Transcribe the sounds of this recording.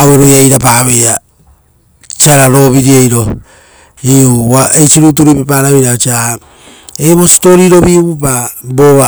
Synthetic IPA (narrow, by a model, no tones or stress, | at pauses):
weɾojajɾapaβea | t͡ʃiaɾaɾo̞βiɾiejɾo̞ | iuβaet͡ʃiɾut̬uɾipepaɾaβeɾat͡ʃia | eβo̞si̥toɾiɾo̞βiβupaboβa